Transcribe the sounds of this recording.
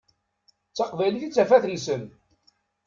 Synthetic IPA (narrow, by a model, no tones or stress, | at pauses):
t͡sːɑqvæliθit͡sːæfæθlsən